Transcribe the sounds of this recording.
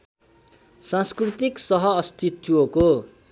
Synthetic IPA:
sãskrit̪iksʌɦʌːst̪it̪ːuoko

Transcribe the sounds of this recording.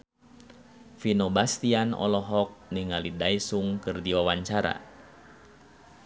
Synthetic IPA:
finɔbast̪ianɔ̰lɔɦɔk̚niŋalidaisuŋkɨrdiwawaɲt͡ʃaɾa̰

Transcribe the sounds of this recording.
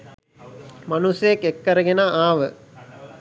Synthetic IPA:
manusjekːekːəɾəɡenaʔaːʋə

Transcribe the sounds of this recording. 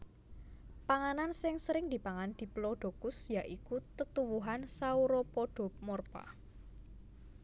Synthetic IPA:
paŋanansɪŋsəɾɪŋd̪̥i̤paŋand̪̥i̤ploɖ̪̥o̤kʊsjaʔikut̪ət̪uwuɦansauɾopoɖ̥ɔ̤p̚mɔrpa̰

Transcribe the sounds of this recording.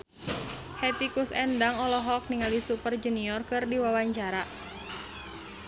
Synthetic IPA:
hɛt̪ikusɛndaŋɔlɔɦɔk̚niŋalisupərd͡ʒuniɔrkɨrdiwawaɲt͡ʃaɾa

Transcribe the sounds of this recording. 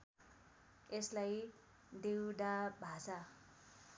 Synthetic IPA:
eslaj | d̪ewd̪abʱasa

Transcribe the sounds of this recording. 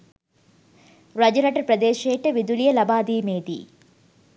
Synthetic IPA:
ɾɐd͡ʒɐɾɐʈɐɾpɾɐd̪eːʃeːʈːɨʋid̪ulijɐlɐbaːd̪iːmeːd̪ḭ

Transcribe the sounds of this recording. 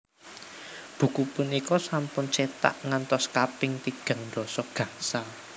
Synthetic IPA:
b̥ṳkupunikɔsampʊnt͡ʃet̪a̰ʔŋant̪ɔskapɪŋt̪iɡ̥ä̤ŋɳd̪ɔsɔɡ̥a̤sa

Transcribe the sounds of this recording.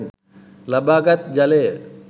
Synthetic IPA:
lɐbaːkət̪̚d͡ʒɐleː

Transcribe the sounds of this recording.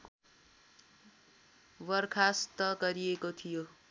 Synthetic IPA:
wʌrkʰast̪ʌɡʌɾiekot̪ʰijo

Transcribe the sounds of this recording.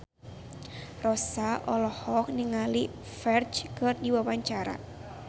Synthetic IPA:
rɔsaʔɔlɔhɔk̚niŋali | fɛrt͡ʃkɨrdiwawaɲt͡ʃaɾa̰

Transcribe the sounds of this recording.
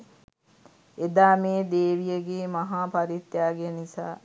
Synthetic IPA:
ed̪aːmeːd̪eːʋijəɡeːmaɦaːpaɾit̪jaːɡenisa̰ː

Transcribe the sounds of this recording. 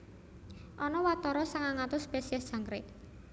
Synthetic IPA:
ʔɔnɔwat̪ɔɾɔsaŋaŋat̪ʊspesiɛsd̥ʒ̥a̤ŋkɾɪk

